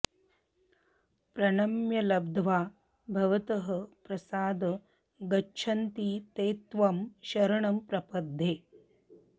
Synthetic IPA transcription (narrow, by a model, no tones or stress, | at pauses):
pɾɐɳɐmjɐlɐb̚d̪ʱʋaː | bʱɐʋɐt̪ɐɦɐ̆pɾɐsaːd̪ɐ | ɡɐːt͡ʃʰɐnt̪it̪eːt̪ʋɐmʃɐɾɐɳɐmpɾɐpɐd̪ʱːeː